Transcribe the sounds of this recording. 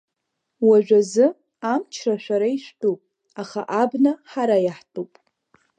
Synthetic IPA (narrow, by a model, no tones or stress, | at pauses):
waʒᶣʷazɨ | amt͡ʃʰraʃʷᶣaɾaiʃʷᶣtʼupʼ | aχaʔabnaħaɾajaħtʼupʼ